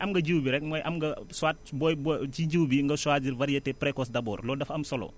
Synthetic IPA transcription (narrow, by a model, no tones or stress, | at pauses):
ʔɐmɡɐɟuwbiɾɛk̚mɔːjʔɐmɡɐsuwaːt̚bɔjbt͡ʃiɟiwbiŋɡɐsuwaːt̚diɾvɐɾijɐtɛpɾɛkɔs̬dɐbɔ̰ːrlɔːdɐfɐmsɔlɔ̰ː